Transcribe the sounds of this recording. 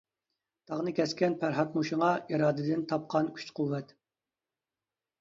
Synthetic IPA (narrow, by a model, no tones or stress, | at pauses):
t̪ʰɑʁnɨkʲʰɛskʲɛnpʰæɾɦɑt̪muʃɪŋɑiɾɑːd̪ɨd̪ɪnt̪ʰɑp̚qʰɑnkʲʰy̥t͡ʃqʰuwːɛt̪